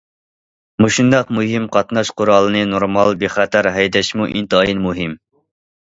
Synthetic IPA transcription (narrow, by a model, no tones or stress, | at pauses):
muʃund̪ɑqmuɦimqʰɑt̪nɑʃqʊɾɑlˠɨnɨnoɾmɑlˠbeχæt̪ʰæɾɦɛjd̪ɛʃmuʔḭnt̪ɨɑjinmuɦɪm